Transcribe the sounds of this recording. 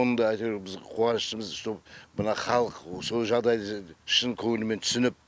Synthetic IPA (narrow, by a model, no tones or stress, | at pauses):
onənd̪ɑɑjt̪ebɪzqʰuɑnʃt̪əməzʃt̪opbənɑχɑlˠəqso̞lˠʒɑʁd̪ɑjd̪əʃənkʲʰɵŋɪlɪment̪ʰʏ̥sɪnɪp̚